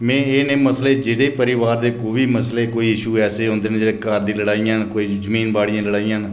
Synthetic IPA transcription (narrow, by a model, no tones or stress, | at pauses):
mɛ̃ːeːneːməsleːd͡ʒeːɽeːpəɾɪːʋaːɾd̪eːkoːʋiːməsleːkoːiːɪʃuːɛːseːɦõːnd̪eːnd͡ʒeːeːkəɾd̪ĩːləɽaːijãːnkoːiːd͡ʒəmiːnbaːɽɪjãːləɽaːijãːn